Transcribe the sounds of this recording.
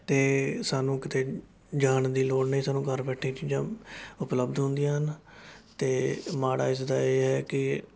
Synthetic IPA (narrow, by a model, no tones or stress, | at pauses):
t̪eːsaːnũːkɪt̪eː | d͡ʒaːnd̪iːloːɽnẽiːsaːnũːkəɾbɛːʈʰĩːt͡ʃiːd͡ʒãːʊpləbd̪ɦʊ̃nd̪ijãːɦənt̪eːmaːɽa̰ːɪs̬d̪aːeːɦɛːkɪ